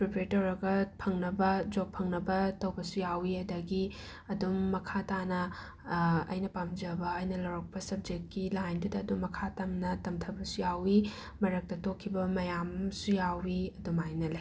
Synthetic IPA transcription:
pɾopɾetɐwɾɐɡɐpʰɐŋnɐbɐd͡ʒok̚pʰɐŋnɐbɐtɐwbɐsujawiɐdɐɡi | ɐdumːɐkʰatanɐ | ɐ̰jnɐpamd͡ʒɐbɐːjnɐlɐwɾɐk̚pɐsɐb̚d͡ʒek̚t̚kilajndudɐːdummːɐkʰatɐmnɐtɐmtʰɐbɐsujawi | mɐɾɐk̚tɐtokʰːibɐmɐjamsujawiɐdumajnɐlɐ

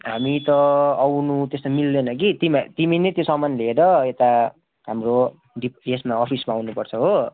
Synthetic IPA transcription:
ɦamit̪ʌawnut̪est̪amilːenʌkit̪imat̪iminet̪josʌmanleeɾʌet̪a | ɦamro | ɖipesmaʌpʰismaawnupʌrt͡sʰʌɦo

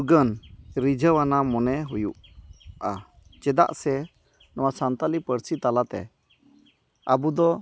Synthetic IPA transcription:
ɡənɾid͡ʒəwanamɔnɛɦujṵʔa | t͡ʃɛd̪a̰ʔsɛ | nɔwasant̪alipəɾsit̪alat̪ɛ̰ | əbud̪ɔ

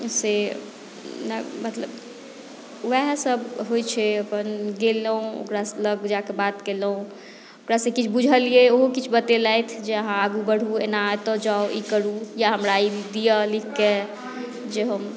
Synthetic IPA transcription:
se | nɛmət̪ləb | ʋɛɦsəbɦojt͡ʃʰɛəpənɡeləũo̰kɾasləɡd͡ʒakebat̪kelũ | okɾasẽkit͡ʃʰbud͡ʒʱəlieoɦokit͡ʃʰbət̪elajt̪ʰd͡ʒeəɦãaɡubəɽ̤uḛnat̪ɔd͡ʒaoʔikəɾujaɦəmɾaid̪ijəlikʰke | d͡ʒeɦəm

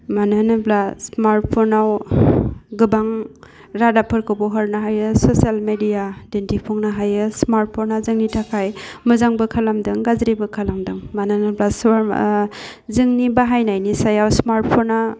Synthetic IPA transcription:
manɯnɯblasmaɾt̚pʰonaw | ɡɯbaŋ | ɾadapʰɯɾkʰɯbɔɦaɾnaɦajɯsosalmedijadentipʰɔŋnaɦajɯsmaɾt̚pʰonazɯŋnitʰakʰajmɯzaŋbɯkʰalamdɯŋɡazɾibɯkʰalamdɯŋmananɯblasa | zɯŋnibaɦajnajnisajawsmaɾt̚pʰona

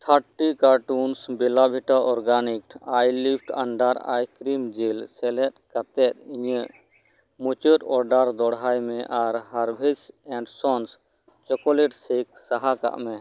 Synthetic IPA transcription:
t̪ʰaʈikaɾʈunsbɛlabʱiʈaʔɔɾɡanikʈajlipʰʈa̰ɳɖaɾa̰jkɾimd͡ʒilsɛlɛt̪̚kat̪ɛt̪̚iɲəʔ | mut͡ʃəʈɔɾɖaɾd̪ɔɽɦajmɛ̃ʔaɾɦaɾbʱisɛ̃ɳɖsɔns | t͡ʃɔkɔleʈsek̚saɦaka̰ʔmɛ̃

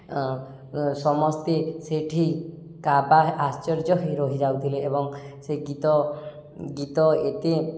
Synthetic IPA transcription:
sɔmɔst̪eseʈʰi | kabaːst͡ʃɔɾd͡ʒɔɦiɾɔɦid͡ʒawt̪ʰileːbɔŋseɡit̪ɔ | ɡit̪ɔet̪e

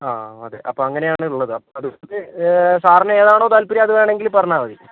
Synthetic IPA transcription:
aːɐðḛːʔɐpːoːɐŋːɐne̞jaːɳɨuɭːɐðɨɐpːoɐðɨesaːrɐnɐeːðaːɳo̞ːt̪ɐlpiɾɐɐðɨʋeːɳe̞ŋɡilpɐrɐɲːaːʋɐðḭ

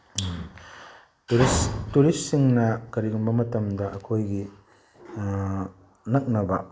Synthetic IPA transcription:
stuɾissiŋnɐkɐɾiɡumbɐmɐtɐmdɐʔɐkʰojɡi | nɐk̚nɐbɐ

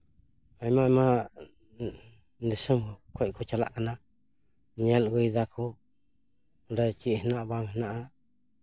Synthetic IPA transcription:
ajmãmã | nd̪isɨmkʷeʔkut͡ʃala̰ʔkanã | ɲẽlɡʷiðakʰu | ɾet͡ʃiʔhnãʔβaŋhnãʔa

